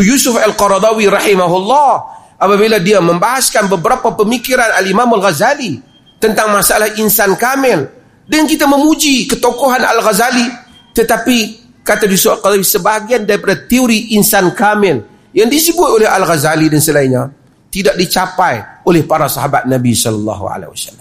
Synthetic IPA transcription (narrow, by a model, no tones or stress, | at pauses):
jusʊfalqɑɾd̪awiɾɑhimaɦulːɑh | ʔapabiladiaməmbaɦaskanbəbəɾapapəmikiɾanalimamalɣazali | t̪ənt̪aŋmasaalahʔinsankamɛl | dənkit̪aməmud͡ʒikət̪okoɦana̰lɣazali | t̪ət̪api | kat̪abisoalqalawisəbaɦaɡiandaɾipadat̪ioɾiʔinsankamɛl | jaŋdisəbʊt̪olɛɦalɣazalidansəlainɲa | t̪idak̚dit͡ʃapajolɛhpaɾasaɦabat̪̚nabisɔlɑlːɑ̰ɦṵa̰lḛwa̰salːam